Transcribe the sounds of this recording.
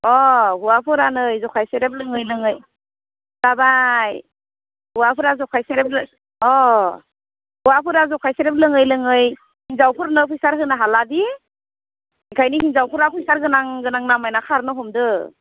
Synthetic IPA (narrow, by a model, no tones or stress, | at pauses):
ɔɦuwapʰɯɾanɯjzɔkʰajseɾep̬̚lɯŋɯjlɯŋɯj | d̥abaj | huwapʰɯɾazɔkʰajseɾep̚l | ɔ | huwapʰɯɾazɔkʰajseɾep̬̚lɯŋɯjlɯŋɯj | hinzawpʰɯɾnɯpʰujsaɾɦɯnaɦaladi | ajkʰajnihinzawpʰuɾapʰujsaɾɡɯnaŋɡɯnaŋnamajnakʰaɾnɯɦɔmdɯ